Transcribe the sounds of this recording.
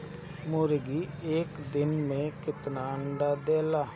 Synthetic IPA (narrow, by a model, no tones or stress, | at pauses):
mʊɾɡiːeːkd̪ɪnmẽːkɪt̪naːɳɖaːd̪eːlaː